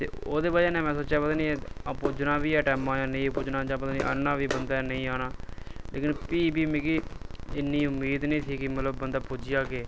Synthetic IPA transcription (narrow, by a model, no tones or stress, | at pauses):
t̪ḛːo̰ːd̪eːbaːd͡ʒeːnɛ̃ːmɛ̃ːsəːt͡ʃaːpət̪aːnĩɛpʊd͡ʒnaːʋiːɛːʈɛːmãːjãːnəĩːpʊd͡ʒnãːd͡ʒãːpət̪aːnḭ̃ːʔə̰nːãːʋiːbənd̪aːnəĩːaːnaːlḛːkɪnpiːbiːmẽːkiɪnːiːʊmːiːd̪nẽĩːsʰiːkɪmət̪ləbːənd̪aːpʊd͡ʒɪjaːkeː